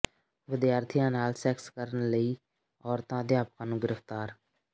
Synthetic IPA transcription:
ʋɪd̪jaːɾt̪ʰijãːnaːlsɛːkskəɾənləiː | ɔːɾt̪ãːd̪jaːpəkãːnũːɡɪɾəft̪aːɾ

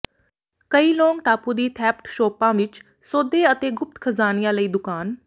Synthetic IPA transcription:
kəiːloːŋɡʈaːpuːd̪iːt̪ʰɛːp̚ʈʃoːpãːʋɪt͡ʃ | soːd̪eːət̪eːɡʊp̚t̪kʰəzaːnɪjãːləiːd̪ʊkaːn

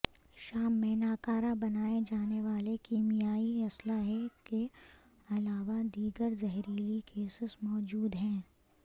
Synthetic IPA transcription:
ʃaːmːẽnaːkaːɾabɐnaːed͡ʒaːneʋaːlekimijaːiɐslaɦɛke | ɐlaːʋad̪iːɡəɾzɐɦɾiːɾikʰeːsɪsmɔːd͡ʒuːd̪ɦɛ̃ː

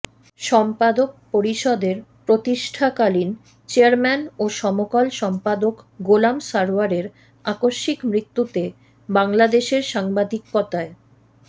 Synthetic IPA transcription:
ʃɔmpad̪ok̚poɾiʃɔd̪eɾpɾot̪iʃʈʰakalin | t͡ɕeaɾmɛnoʃɔmokalʃɔmpad̪okɡolamsaɾaɾeɾ | akoʃːikmɾit̪ːut̪e | baŋlad̪eʃeɾʃaŋbad̪ikːɔt̪ae

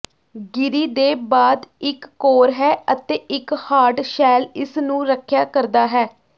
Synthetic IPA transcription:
ɡɪɾiːd̪eːbaːd̪ɪkːoːɾɦɛːət̪eːʔɪkhaːʈʃɛːlɪsnũːɾəkʰjaːkəɾd̪aːɦɛː

